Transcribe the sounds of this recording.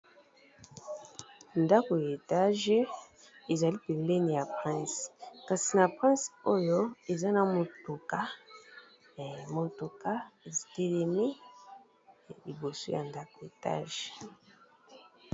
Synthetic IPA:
nda˦ko˨ja˨e˨ta˦ʒe˦ | e˨za˨li˦pe˨le˦ni˨ja˨pʁɛ̃˦˨ska˨si˨na˨pʁɛ̃˦so˦jo˦e˨za˦na˨mo˨to˨ka˦˨ | mo˨to˨ka˦e˨zi˨te˨le˨mi˦˨ | li˨bo˨so̰˦ja˨nda˦ko˨e˨ta̰˦ʒe˨

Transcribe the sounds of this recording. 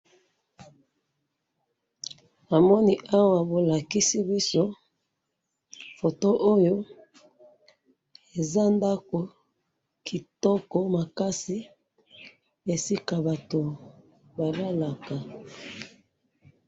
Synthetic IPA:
a˨mɔ˦ni˨ʔa˦wa˨bo˨la˨ki˦si˦bi˦so˦ | fo˨to˦ʔo˦jo˦ | e˨za˦nda˦ko˨ | kʰi˨tɔ˦kɔ˦ma˨ka˦si˦ | e˨si˦ka˨ba˨to˨ | ba˨va˦la˨ka˨

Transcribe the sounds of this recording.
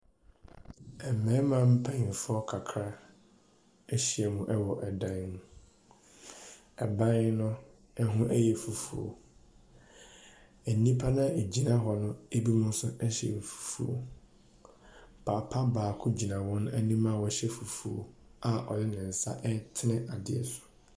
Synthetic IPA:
ɛ˨mɛ̃˨˦mã˨m̩˦pʰã˦ɲĩ˨fʊ˦ɔ˦kʰa˨kʰɾa˦ | ɛ˦ɕi˦ɛ˨mũ˨ʔɛ˦wɔ˨ʔɛ˨dã˦n˦ñ˦ | ɛ˨bã˦n˦nʊ̃˦ | ɛ˦ɦʊ̃˦ʔæ˦jɛ˨fu˨fṵ˨o̰˨ | æ˨nĩ˦pʰa˦nã˦e˨d͡ʑi˨nã˦ɦɔ˨nʊ̃˦e˦bi˦mʊ̃˦n˦sʊ˦ɛ˦ɕɛ̰˨fu̥˨fṵ˦o̰˨ | pʰaː˨pʰa˦baː˨kʰʊ˦d͡ʑi˨nã˨wɔ̃˦ñ˦æ˦nĩ˦mã˦˨wɔ˦ɕɛ˦fu˨fu˨o̰˨a˨ʔɔ̰˨dɪ˦nɪ̃˨n̩˨sa̰˦ʔɛ˦tʰɪ˦nɪ̃˦ʔa˨dɪ˨ɛ̰˨sʊ̥˨

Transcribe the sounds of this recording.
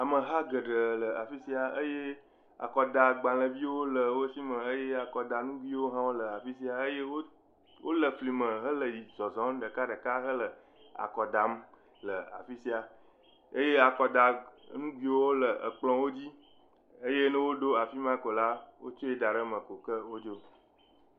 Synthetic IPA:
a˨mə˨ɦa˦ɡə˨ɖə˨lə˨a˨fi˦si˦a˨ə˦je˦ | a̰˨kɔ˨d̪a˨ɡ͡bã˨lə˨vi˦wo˦lə˨wo˦si˦mə̃˨ə˦je˦a˨kɔ˨da˨nũ˦ɡʷi˦wo˦ɦã˦wo˦lə˨a˨fi˦si˦a˨ə˦je˦wo˦ | wo˦lə˨fli˨mə̃˨ɦə˦lə˨ji˨zɔ˨zɔ̃˦m˦ɖə˨ka˦ɖə˨ka˦ɦə˦lə˨ | a̰˨kɔ˨ɖa˨m | lə˨a̰˨fi˦si˦a˨ | ə˦je˦a˨kɔ˨d̪a˨nũ˦ɡwi˦wo˦wo˦lə˨ʔə˨k͡plɔ̃˦wo˦d͡ʑi˦ | ə˦je˦nə̃˦wo˦ɖo˦a˨fi˦mã˦ko˨la˦wo̰˦t͡ʃo˦e˦da˨ɖə˦mə̃˨ko˨kə˦wo˦d͡ʒo˦

